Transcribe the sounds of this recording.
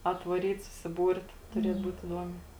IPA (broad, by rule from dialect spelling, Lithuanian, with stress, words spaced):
ɐtʋɐˈrʲiːt sʊsʲɪˈbuːrt tʊˈrʲiɛt ˈbuːt ɪˈduɔmʲɛɪ